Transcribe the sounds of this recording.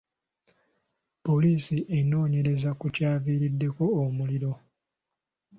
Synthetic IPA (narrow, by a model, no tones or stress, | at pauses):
po̞liːsiʔe̞no̞ːɲe̞ɾe̞zakucaːviːɾidːe̞ko̞ːmuliɾo̞